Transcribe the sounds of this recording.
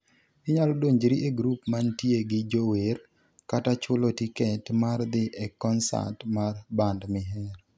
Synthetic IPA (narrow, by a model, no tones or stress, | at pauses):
ɪɲalɔdoɲd͡ʒɾiʔeɡɾupmantjeɡɪd͡ʒoweɾ | katat͡ʃʊlotiketmard̪ɪʔɛkːɔnsa̰tmarbandmɪɦɛɾ